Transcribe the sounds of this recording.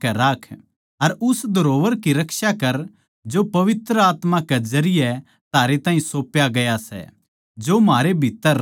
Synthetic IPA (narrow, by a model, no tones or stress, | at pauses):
kɛɾaːkʰ | ɐɾʊsd̪ʱɐɾoːʋəɾkiɾɐkʃakɐɾ | d͡ʒopɐʋɪt̪ɾəaːt̪makɛzɐɾɪjɛ | t̪aːɾet̪ãːɦĩsoːpjaɡɐjasɛ̰ | d͡ʒomaːɾebʱiːt̪ːəɾ